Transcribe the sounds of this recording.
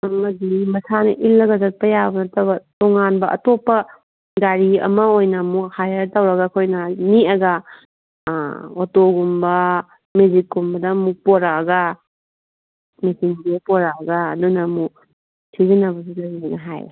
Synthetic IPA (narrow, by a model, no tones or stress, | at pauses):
mɐdimɐsanɐʔilːɐɡɐzɐt̚pɐjabɐnɐtɐbɐtoŋanbɐʔɐ̰topːɐ | ɡaɾiɐ̰mɐojnɐmukhajɐɾtɐwɾɐɡakʰojnɐniɐɡɐ | otoɡumbɐ | med͡ʒikːumbɐdɐmuk̚poɾaːɡɐ | mesinbipoɾaɐɡɐːdunɐmu | sʰizinɐbɐsilaɾiajnɐɦaj